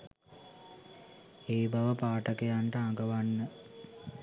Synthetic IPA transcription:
eːbaʋəpaːʈəkejaɳʈəaŋɡəʋanːə

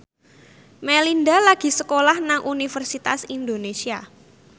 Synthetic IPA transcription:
melindalaɡ̥i̤səkolahnaŋʔunifərsit̪a̰sind̪onesia

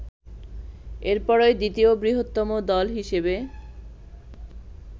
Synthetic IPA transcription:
eɾpɔɾojd̪it̪iobɾiɦot̪ːomod̪ɔlɦiʃebe

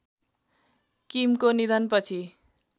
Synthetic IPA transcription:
kimkonid̪ʌnpʌt͡sʰi

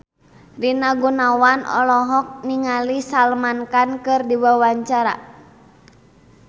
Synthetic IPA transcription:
rinaɡunawanɔ̰lɔɦɔk̚niŋalisalmankankɨrdiwawaɲt͡ʃaɾa̰

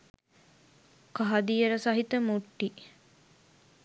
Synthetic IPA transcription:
kaɦɐd̪ijeɾəsɐɦit̪əmuʈːi

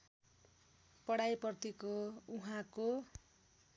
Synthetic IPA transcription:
pʌɽajpʌrt̪ikouɦãko

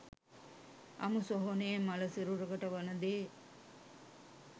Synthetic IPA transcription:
ɐ̰musoɦoneːmɐlɐsiɾuɾɐɡɐʈɐʋɐnɐd̪eː

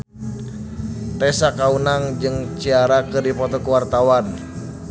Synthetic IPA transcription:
t̪ɛsakaunaŋd͡ʒɨŋt͡ʃiaɾakɨrdipɔt̪ɔkuwart̪awan

